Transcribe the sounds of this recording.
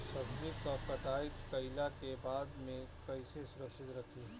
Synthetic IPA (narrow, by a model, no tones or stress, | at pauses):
sɐbʋɪkɔpɐʈaːɪkːɐɪlakebaːd̪mẽkɐɪsesʊɾəkʃɪt̪ɾɐkʰi